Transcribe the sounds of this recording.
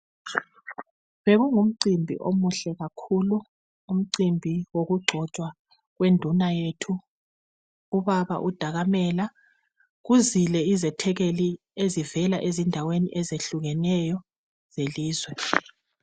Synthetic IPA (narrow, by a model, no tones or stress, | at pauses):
βeɣuŋum̩ǀimbʱḭʔomuɬɛɣakʰulu | um̩ǀimbʱiwoɣuɡ͡ǀʱɔt͡ʃʼwa | ɣwendʱunajetʰu | uβaβa̰ʔud̥ʱaɣamɛla | ɣuzilɛizɛtʰɛɣeli | ezivɛlaʔezindʱaweniʔɛzeɬuɣɛnɛjɔ | z̥eliːzwɛ